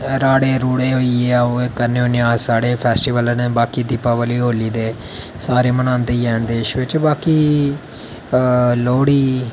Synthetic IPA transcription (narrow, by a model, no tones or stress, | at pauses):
ɾaːɽeːɾuːɽeːɦoːieaːoːekəɾnoːnjaːsaːɽeːpʰɛːsʈiːʋəlneːbaːkiːd̪iːpaːʋəliːɦoːliːd̪eː | saːɾeːmənãːnd̪eːjɛːɳd̪eːʃʋɪt͡ʃbaːkiː | loːɽiː